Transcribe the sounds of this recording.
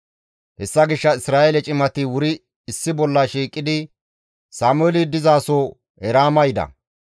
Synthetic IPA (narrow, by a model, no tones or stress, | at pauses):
hɛsːɐɡɪʃːɐɪsɾaːʔelɛt͡ʃʼɪmɐt̪ɪwʊɾɪː | sːɪbɔlːɐʃiːkʼːɪd̪ɪ | saːmʊɛlɪd̪ɪzaːsɔ | ɛɾaːmɐjd̪ɐ̰